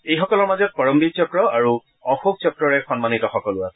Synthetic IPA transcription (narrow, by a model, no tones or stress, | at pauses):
ejxɔkɔlɔɹmazɔt̚pɔɹɔmbik̚t͡ʃɔkɹɔaɹu | ɔxuk̚t͡ʃɔkɹɔɹɛxɔnmanitɔxɔkɔlʊasɛ